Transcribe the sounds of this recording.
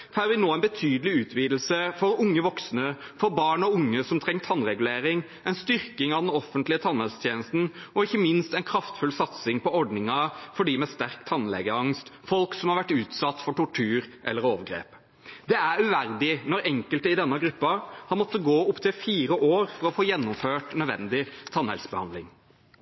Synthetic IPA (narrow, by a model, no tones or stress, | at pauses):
fæɾʋɪnoːænbət̪ʰyːd̪əlɪʉːt̪ʋiːd̪lsəfɔɾʊŋːəʋɔksnəfɔɾbɑːɳɔʊŋːəsɔmt̪ʰɾɛŋːt̪ʰɑnɾɛɡʉleːɾɪŋ | ɛnst̪ʏɾkɪŋɑʋd̪ɛnɔfənt̪lɪət̪ʰɑnhɛlst̪ʰjeːnəst̪n̩ɔɪçːəmɪnst̪ɛɪnkʰɾɑft̪fʉlsɑt̪sɪŋpɔɔɾɖnɪŋɑfɔɖiːmɛst̪æɾkt̪ʰɑnlɛ̰ɡəɾɑŋst̪fɔlksɔmhɑɾʋæʈːʉːt̪sɑt̪ːfɔʈʊʈʰʉːɾʔɛ̰lːəɾoːʋəɡɾḛːp | d̪ɛæɾʉʋæɾd̪ɪnɔɾɛŋkəlt̪əɪd̪ɛnːəɡɾʉpːɑhɑnmɔt̪ːəɡoːʊpt̪ʰɪlfiːɾəʔoːɾfɔɾɔfoːjɛnːʊmføːʈnœd̪ʋɛ̰nd̪ɪt̪ʰɑnhɛ̰lsbəhɑ̰nd̪lɪŋ